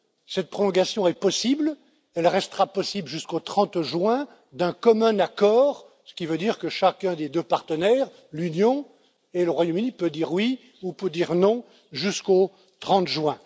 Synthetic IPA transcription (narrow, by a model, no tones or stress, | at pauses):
sɛt̪̚pχɔlɔ̃ɡasjɔ̃ɛpɔsibl | ɛlʁɛst̪əʁapɔsibləʒyskot̪χɑ̃t̪ʒwɛ̃ | d̪ɛ̃kɔmɛ̃nakɔːʁ | sə̥kʲivød̪iːʁkəʃakʲɛ̃d̪ed̪øpaʁt̪ənɛːʁ | lynjɔ̃ | eləʁwajomynipød̪iʁwi | upød̪iʁnɔ̃ | ʒysko | t̪χɑ̃t̪ʒwɛ̃